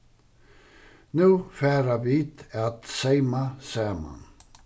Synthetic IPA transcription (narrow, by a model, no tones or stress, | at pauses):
nʉːfæːɾəʋiːt̪at̪seɪmaseːma̰n